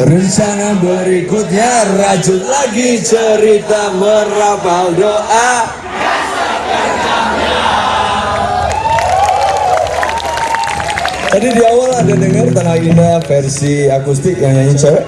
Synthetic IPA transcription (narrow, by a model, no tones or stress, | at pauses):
rəɲt͡ʃanabəɾikʊt̪̚ɲarad͡ʒʊt̪̚laɡit͡ʃəɾit̪aməɾapaldoʔa | d͡ʒadidiawaladadəŋart̪ənaindafɛrsiakust̪ɪk̚jaŋjaiɲt͡ʃa